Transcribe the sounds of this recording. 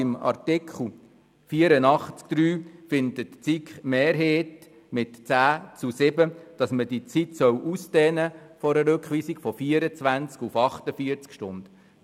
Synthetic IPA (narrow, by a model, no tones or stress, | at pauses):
ɪmɑ̰ɾtɪkʰχl̩ | fiəɾənɑχt͡skd̪̥ɾyːfɪndətt͡sikχmeːɾɦeːt | mɪtt͡sæːt͡susɪbəd̥ɑsmədit͡sitsœwʔusd̪ɛːnəfɔɾəɾʏkʰχʋiːsiɡfɔfiːəɾət͡sʋænt͡skufɑχtəfiəɾt͡skʃtʊnd̪̥